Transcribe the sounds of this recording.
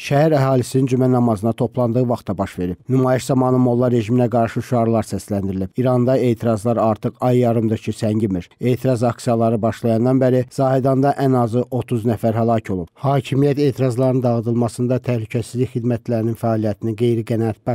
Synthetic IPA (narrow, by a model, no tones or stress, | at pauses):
ʃæhæɾæɦɑːlisinind͡ʒymænɑmɑzɯnɑt̪ʰo̞pʰlˠɑnd̪ɯɣɯvɑχt̪ɑbɑʃve̞ɾib̥nymɑːjiʃzɑmɑːnɯmo̞lˠːɑɾːe̞ʒiminæɡɑɾʃɯʃuɑɾlˠɑɾsæslænd̪iɾilibiɾɑnd̪ɑe̞ːt̪ʰiɾɑzlˠɑɾɑɾt̪ʰɯqɑjːɑɾɯmd̪ɯɾcʰisæɲɟimiɾe̞ːt̪ʰiɾɑzɑksijɑlˠɑɾɯbɑʃlˠɑjɑnd̪ɑnbæɾizɑːhid̪ɑnd̪ɑʔænɑzɯʔo̞t̪ʰuznæfæɾɦælˠɑcʰo̞lˠubhɑːcʰimijæt̪e̞ːt̪ʰiɾɑzlˠɑɾɯnd̪ɑɣɯd̪ɯlˠmɑsɯnd̪ɑt̪ʰæhlycʰæsizliçxid̪mæt̪læɾininfæɑːlijæt̪ʰiniɡe̞jɾiɡænɑæt̪̚bɑ